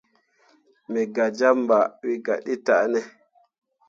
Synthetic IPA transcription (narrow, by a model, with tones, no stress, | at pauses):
mɛ˨ɡa˨d͡ʒa˦mba˨wi˦ɡa˨ɗi˦ta˨nɛ˦